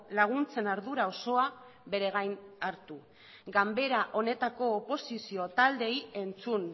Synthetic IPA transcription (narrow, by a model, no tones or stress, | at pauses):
laɣ̞unt͡se̞naɾðuɾao̞so̞a | βe̞ɾe̞ɣajnaɾt̪u | ɡambe̞ɾaʔo̞ne̞t̪ako̞ːpo̞sisio̞t̪ald̪e̞je̞nt͡sun